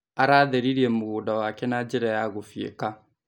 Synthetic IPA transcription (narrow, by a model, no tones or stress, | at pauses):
aɾaːðɛɾiɾiɛmoɣuːdawakɛnad͡ʒeɾajaɣofiḛka